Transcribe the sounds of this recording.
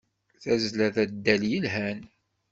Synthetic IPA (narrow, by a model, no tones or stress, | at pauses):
θæzlæðæd̪ːæljəlɦæn